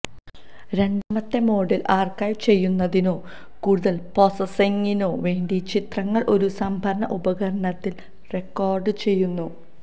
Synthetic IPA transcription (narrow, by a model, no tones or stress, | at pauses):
ɾe̞ɳɖɐmɐt̪ːemo̞ːɽilʔaːrkajt͡ɕe̞jːunːɐðino̞ː | kuːɽuðɐlposɐseŋːinoːʋe̞ːɳɖit͡ɕit̪rɐŋːɐɭʔo̞ɾusɐmbʱɐɾɐɳɐ̰ʔubɐɣɐɾɐɳɐt̪ːil | re̞kːoːrɖɨt͡ɕe̞jːunːu